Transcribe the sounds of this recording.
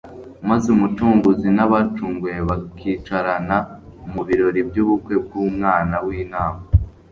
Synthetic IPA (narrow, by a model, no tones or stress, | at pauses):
mazeumutuːŋɡuzinaβat͡ʃuːŋɡujeβakʰit͡ʃaɾanaumuβiɾo̞ɾibjuːβukwe̞b̚ɡuːmŋaːnawiːnaːma